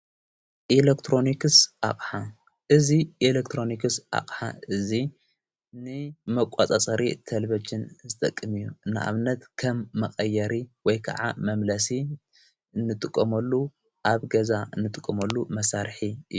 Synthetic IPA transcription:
ʔilekt̪ʰɾo̞nikɨsʔa̰χʼħa | ʔɨziʔilekt̪ʰɾo̞nikɨsʔa̰χʼħa̰ɨzi | nɨmɐkʷʼat͡sʼat͡sʼɐɾit̪ʰɐlbɐt͡ʃːɨnzɨt̪ʼɐkʼːɨmijːuɨnːa̰ʔa̰βɨnːɐt̪kʰɐmːɐχʼɐjːɐɾiwɔjkʰɐa̰ʕa̰mɐmlɐsi | nːɨt̪ʼɨkʼːɐmɐlːu | ʔaβɡɐzaɨnːɨt̪ʼɨkʼːɐmɐlːumɐsaɾħiɨ

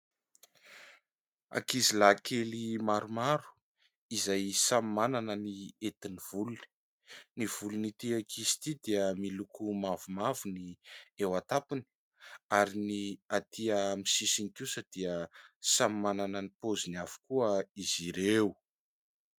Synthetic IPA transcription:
a̰kizilakʰelimaɾumaɾu̥ | izajsamimananəniet̪iniv̥uluni̥ | niv̥ulunit̪iakʰizi̥t̪id̪iəmilukumavumavuniewat̪apini̥ | aɾiniat̪ʰiəmisisinikusəd̪̥iəsamimananənipoziniavu̥kuəiziɾew

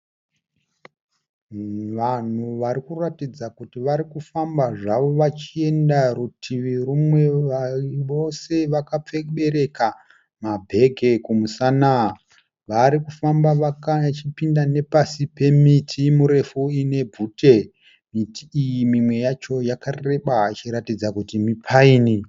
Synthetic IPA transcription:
ʋan̤uʋaɾikuratid͡zakutiʋaɾikufambaʐaʋo̞ʋat͡ʃie̞ndarutʰiʋirumwe̞aʋo̞se̞ʋakap͡feɓe̞ɾe̞ka | mabʱe̞ɡʱe̞kumusana | ʋaɾikufambaʋakat͡ʃipindane̞pasipe̞mitʰimuɾe̞fuine̞bʱute̞ | mitʰiijimimwe̞jat͡ʃo̞jakarre̞ɓat͡ʃiɾatid͡zakutimipʰaiːni

